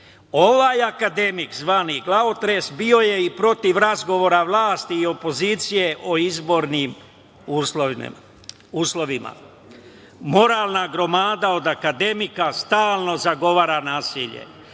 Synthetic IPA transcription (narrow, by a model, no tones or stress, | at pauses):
o̞ʋaːjakad̪e̞mikzʋaːniɡlˠaot̪ɾesbio̞je̞ipɾo̞t̪iʋɾazɡo̞ʋo̞ːɾaʋlˠaːst̪iːo̞po̞ziːt̪sije̞ʔo̞izbo̞ɾnim | uslo̰ | uːslo̞ʋima̰ | mo̞ɾaːlˠnaɡɾo̞maːd̪ao̞d̪akad̪e̞mikast̪aːlˠno̞zaɡo̞ʋaːɾanaːsiʎḛ